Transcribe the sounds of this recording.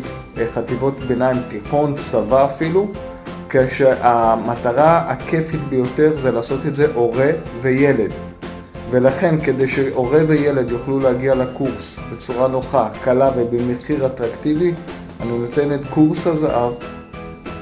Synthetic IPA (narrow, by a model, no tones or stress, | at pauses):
χat̪ivo̞tbenaimtiχo̞nsavaːfilu | keʃeʔamataʁaa̰kʰe̞fit̪bejo̞te̞ʁzelaːso̞te̞tze̞ʔo̞ʁe̞ve̞je̞le̞d̪ | ve̞laχe̞nke̞d̪e̞jʃeʔo̞ʁe̞veje̞le̞d̪juχlulehaɡialekuʁs | be̞t͡suʁanoχakalavebemeχiʁatʁaktivi | aninote̞netkuʁshazaʔav